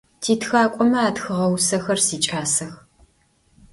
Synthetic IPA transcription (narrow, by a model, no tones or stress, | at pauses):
tʰiːtxaːkʷʼɔmɐaːtxɨʁɐwsɐxɐrsiːt͡ʃʼaːsɐx